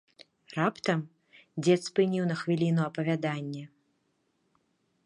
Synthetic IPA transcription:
rapt̪ɐm | d͡zʲɛt̪spɨnʲiwnɐxvʲilʲinuɐpɐvʲad̪anʲːɛ

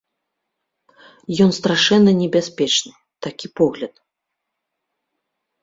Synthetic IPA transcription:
jɔnst̪ɾaʂɛnːɐnʲɛbʲasʲpʲɛt͡ʂnɨ | t̪akʲipɔɣlʲɐt̪

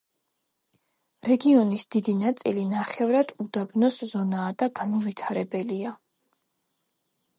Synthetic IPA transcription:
ɾɛɡiɔnisd̪̥id̪inat̪sʼilinaχɛvɾad̪̥ud̪abnɔszɔnaːd̪aɡanɔvit̪ʰaɾɛbɛlia

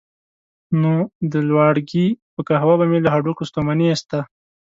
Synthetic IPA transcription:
nod̪əlwɑɽɡipəkaɦawabamelaɦaɖukost̪omaniast̪a

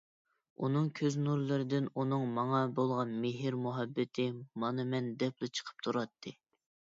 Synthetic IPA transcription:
unɨŋkʲʰøznuɾlˠɨɾɪd̪ɪnunɨŋmɑŋɑbolˠʁɑnmɪɦɪɾmuɦɛbːɪt̪ʰɪmɑnɨmɛnd̪ɛplˠɨt͡ʃʰə̥qʰə̥p̚t̪ʰuɾɑt̪ʰːɨ

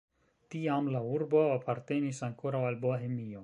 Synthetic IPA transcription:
tiamlauɾbo̞apʰaɾte̞nisaŋkoɾawalboaɦemio̞

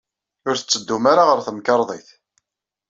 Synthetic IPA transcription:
ʊɾθə̥t͡sːəd̪ːumaɾaʁəɾθəmkəɾˤðˤḭθ

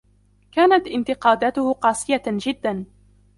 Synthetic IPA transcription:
kaːnat̪ʔɪnt̪ɪqɑːd̪aːt̪ʊhqɑːsˤɨjad͡ʒɪd̪ːan

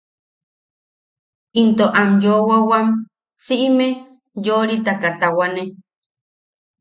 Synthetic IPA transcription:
int̪oʔamjowawam | siʔime | joɾit̪akat̪awane

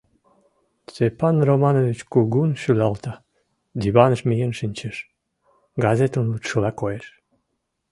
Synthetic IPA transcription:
sepɑnromɑnovit͡ɕkuɡunʃylɑlt̪ɑ | d̪iβɑnəʃmijenʃinʲt͡ɕəʃ | ɡɑzet̪ənlut̪ʃəlɑkojeʃ

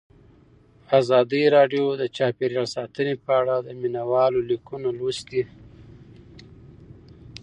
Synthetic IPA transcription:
azɑd̪əɾɑɖjod̪ət͡ʃɑpeɾjɑlsɑt̪ənepəaɽad̪əminawɑlolikunolusd̪i

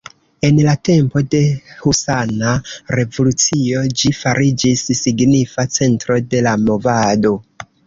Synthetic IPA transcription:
e̞nlate̞mpo̞de̞husanaɾe̞vo̞lut͡sio̞d͡ʒifaɾid͡ʒisːiɡnifat͡se̞ntɾo̞de̞lamo̞vado̞

